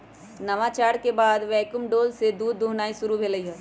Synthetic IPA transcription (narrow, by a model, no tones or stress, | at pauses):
nɐʋaːt͡ʃaːɾkebaːd̪ʋɛːkʊmɖoːlsed̪uːd̪ːuːɦnaːisʊɾubʱelɐiɦɛː